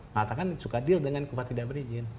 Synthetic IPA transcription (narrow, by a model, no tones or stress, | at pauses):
mat̪akansukadildəŋankupat̪idaʔbəɾid͡ʒɪn